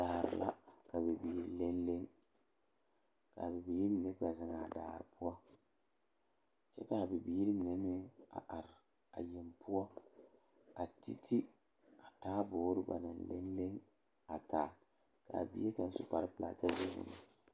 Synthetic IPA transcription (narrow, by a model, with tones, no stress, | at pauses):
daː˨ɾɪ̰˨la̰˦ka˨bɛ˨biː˨˦˨ɾle˦nle˦ŋ | ka̰˨bɛ˨biː˦ɾi˦mi˨ne˦pa˨zɪ˨ŋa˨da̰ː˨ɾ̰pʊ˦ɔ˦ | t͡ʃɛ˦ka˨bi˨biː˦ɾi˦mi˨ne˦mɪ˦ŋa̰˨ʔa˨ɾɪ˨ | a˨je˨mpu˦ɔ˦ | a˨ti˦tʰi˦ | a˨taː˦boː˨˦ɾɨ˦ba̰˨nɨ˨nlḛ˦nle˦ŋ | a˨taː˨˦˨ | ka˨bḭ˦e˦ka˨n˦sʊ˦pa˨ɾɨ˦pɨ˨la̰ː˨ta˦ze˦nʊ̰˨na˨